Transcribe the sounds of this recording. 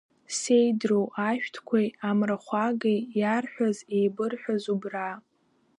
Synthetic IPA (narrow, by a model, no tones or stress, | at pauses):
sejdrowʔaʃᶣtʰkʷʰajamraχʷaɡejjarħᶣʷazejbɨrħʷᶣazubra